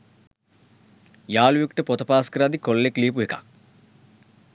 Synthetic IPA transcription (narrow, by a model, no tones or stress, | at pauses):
jaːlujukʈəpot̪əpaːskəɾad̪ikolːekliːp̬uekḁ̰